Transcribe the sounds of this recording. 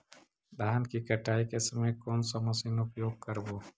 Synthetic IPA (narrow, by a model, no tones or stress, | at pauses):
d̪aːnkikɐʈʰaːikesəmẽkoːnsamɐsiːnʊpjoːɡ̚kɐɾboː